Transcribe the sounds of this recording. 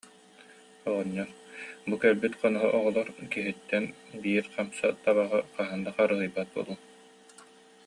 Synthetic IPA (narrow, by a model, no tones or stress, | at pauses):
ɔʁɔɲːɔɾbukɛɾbyt̪qɔnɔɦɔ̰ʔɔʁɔlˠɔɾkiɦit̪ːɛnbiːɾqamsat̪aβaʁɯqaɦɯnd̪aχaɾɯɦɯjbat̪̚bṵlˠuː